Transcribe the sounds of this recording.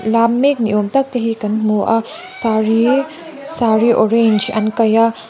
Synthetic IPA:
lamːek̚niʔomtɐk̚tɐɦikɐnmuʔa | saɾi | saɾiʔoɾend͡ʒɐ̰nkɐja

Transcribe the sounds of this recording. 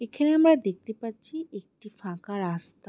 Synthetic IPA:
ekʰaneamɾad̪ek̚t̪epaɾt͡ɕʰiek̚ʈifãkaɾast̪a

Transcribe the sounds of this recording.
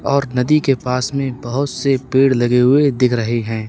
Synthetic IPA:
ɔːɾnɐd̪ikepaːsmẽbɐɦʊt̪sepeːɽlɐɡeɦʊed̪ɪkʰɾəɦeɦɛ̃ː

